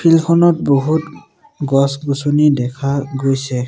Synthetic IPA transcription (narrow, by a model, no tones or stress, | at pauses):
pʰilkʰɔnɔtboɦut | ɡɔsɡusonidɛkʰaɡojsɛ